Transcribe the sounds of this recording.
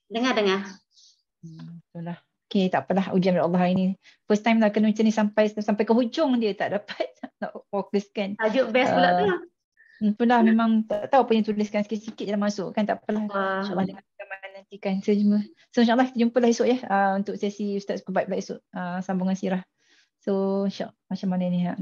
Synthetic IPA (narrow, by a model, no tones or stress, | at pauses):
dəŋadəŋa | it̪ulah | oket̪aʔpəlahud͡ʒamdaʔalˠːɑɦaini | fəst̪ajmlakənuĩt͡ʃənisampajsampajkəɦud͡ʒʊŋdiət̪aʔdapat̪̚nɔ̰ʔfokəskanad͡ʒʊʔbɛsulaʔdəŋa | p̪unlahmẽmaŋt̪aʔt̪auʔpuɲət̪ulɪskansə̥kisikit̪̚alahmasʊʔkant̪a̰ʔpəlahiʔlˠːɑhdəŋakamananːant̪ikansəəd͡ʒumə | soinʃaʔalːˠɑhki̥t̪əd͡ʒumpəlahisʊʔjəhəunt̪ʊʔsasiust̪at̪pəbait̪̚bat̪isʊʔəsambuŋansiɾah | soinʃa̰ʔlmat͡ʃamanainiɦaʔ